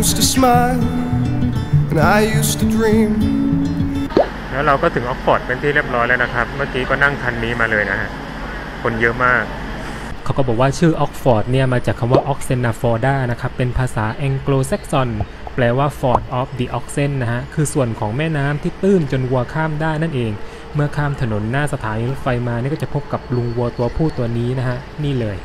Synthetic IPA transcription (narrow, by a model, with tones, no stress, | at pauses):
justɨsmaɪlˠ | ɨ̃naɪjustʰɨdɹĩm | lɛː˦˥wɾa˧wkɔː˥˩t̪ʰɯ˩˦ŋʔɔ˦˥k̚fɔː˨˩t̪̚pe˧nt̪ʰiː˩ɾi˥˩əp̚ɾɔː˦˥jlɛ˦˥wna˦˥kʰɾa˦˥p̚mɯ˥˩kiː˦˥kɔː˥˩na˥˩ŋk̪ʰa˧nːiː˦˥maː˧lɤː˧jna˦˥kʰa˦˥ʔ | kʰo˧njɤ˦˥ʔmaː˥˩k̚ | kʰːa˩˦wkɔ˥˩bɔː˨˩waː˥˩t͡ɕʰɯː˥˩ʔɔː˦˥k̚fɔː˨˩t̪̚ni˥˩ɐmaː˧t͡ɕaː˨˩kʰːa˧mwaː˥˩ʔɔː˦˥k̚se˧˥nːaː˧˩fɔː˧daː˥˩jna˦˥kʰa˦˥pːe˧npʰaː˧saː˩˦ʔɛː˧ŋkloː˧sɛ˦˥k̚sɔ˧n | plɛː˧waː˥˩fɔː˨˩t̪̚ʔɔː˦˥p̚diː˧˩ʔɔː˦˥k̚se˧˥˩nːa˦˥kʰa˦˥kʰɯː˧su˨˩ənkʰɔː˩˦ŋmɛː˥˩naː˦˥mt̪ʰiː˥˩t̪ɯː˥˩nt͡ɕo˧nwu˧ɐkʰaː˥˩mdaː˥˩jna˥˩nʔeː˧ŋ | mɯ˥ɐkʰaː˥˩mt̪ʰa˧no˩˦nːaː˥˩sa˧t̪ʰaː˩˦niː˧lo˦˥t̪̚fa˧jmaː˧ni˥˩kɔ˥˩t͡ɕa˨˩pʰo˦˥p̚ka˨˩p̚lu˧ŋwu˧ɐt̪u˧ɐpʰuː˥˩t̪u˧ɐniː˦˥na˦˥kʰa˦˥ʔniː˥˩lɤː˧j